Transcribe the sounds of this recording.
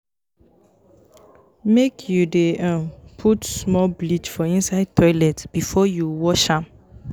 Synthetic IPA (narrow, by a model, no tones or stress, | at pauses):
mekʰjudeãmpʰutsmɔblit͡ʃfɔĩnsaɪd̚tʰɔɪlɛtb̥ifɔjuwɔʃãm